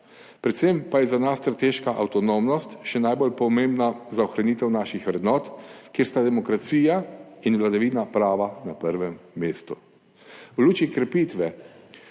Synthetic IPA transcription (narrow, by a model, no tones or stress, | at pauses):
pɾɛt̪sempajɛzanasːt̪ɾat̪eʃkaʔawt̪ɔnomnɔst̪ʃɛnajbolpɔmembnazaɔxɾanit̪ɛwnaːʃixʋɾɛd̪nɔːt̪kjeːɾst̪ad̪ɛmɔkɾat̪siːjainʋlad̪aʋiːnapɾaːʋanapəɾʋɛmːeːst̪u | wluːt͡ʃikɾɛpiːt̪ʋɛ